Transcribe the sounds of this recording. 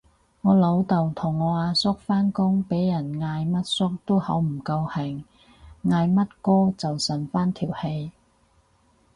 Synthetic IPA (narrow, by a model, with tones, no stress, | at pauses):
ŋɔː˨˧lo˨˧˥wt̪o˨wt̪ʰʊ˨˩ŋːɔː˨˧aː˨˧sʊ˥k̚faː˥nkʊ˥ŋpe˨˥jːɐ˨˩nŋaː˧jmɐ˥t̚sʊ˥k̚t̪o˥whɐ˨˥wm̩˨˩kɐ˧whɪ˨˩ŋː | aː˧jmɐ˥t̚kɔː˥t͡sɐ˨wsɐ˨˩nfaː˥nt̪ʰiː˨˩whe˧j